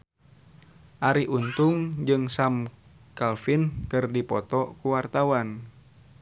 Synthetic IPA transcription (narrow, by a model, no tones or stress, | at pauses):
ʔaɾiʔunt̪ʊŋd͡ʒɨŋsam | kalfinkɨrdipɔt̪ɔkuwart̪awan